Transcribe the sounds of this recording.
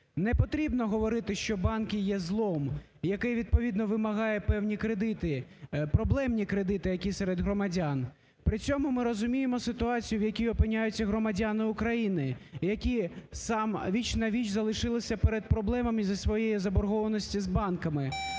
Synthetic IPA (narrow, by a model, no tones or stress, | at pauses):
nɛpɔt̪ɾʲibnɔɦɔʋɔɾɪt̪ɪʃt͡ʃɔbɑnkʲɪjɛzlˠɔm | jɐkɛjʋʲid̪̚pɔʋʲid̪nɔʋɪmɐɦɑjɛpɛwnʲikɾed̪ɪt̪ɪpɾɔblˠɛmnʲikɾed̪ɪt̪ɪjɐkʲisɛɾɛd̪ɦɾɔmɐdʲan | pɾɪt͡sʲɔmʊmɪɾɔzʊmʲijemɔsɪt̪ʊɑt͡sʲijʊwjɐkʲijɔpɪnʲːajʊt͡sʲːɐɦɾɔmɐdʲanɪʊkɾɐjinɪjɐkʲisɑmʋʲit͡ʃnɐʋʲit͡ʃzɐlˠɪʃɪlˠɪsʲɐpeɾed̪̚pɾɔblˠɛmɐmizɐsʋɔjejizɐbɔrɦɔʋɐnɔsʲtʲizbɑnkɐmɪ